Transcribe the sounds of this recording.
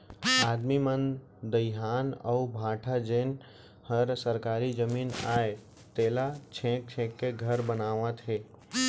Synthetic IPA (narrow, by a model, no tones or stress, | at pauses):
aːd̪mimən | d̪əjɦaːnəbʱaːʈʰad͡ʒeːn | həɾsəɾkaːɾid͡ʒəmiːnaːe | t̪eːlat͡ʃʰẽːk̚t͡ʃʰẽkːeɡʱəɾbənaːʋãt̪ʰeː